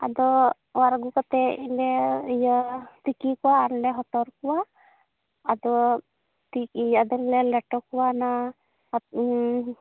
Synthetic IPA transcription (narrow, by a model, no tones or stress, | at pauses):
a̰d̪ɔ | aɾɡukɔt̪ɛilejɔt̪ikikuwaːɾlɛɦɔt̪ɔɾkuwaː | d̪ɔ | t̪ikiad̪ɔɾlelɛʈɔkuwana